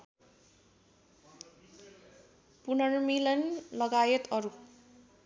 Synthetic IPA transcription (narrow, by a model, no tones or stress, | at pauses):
punʌrmilʌnlʌɡajʌt̪ʌɾu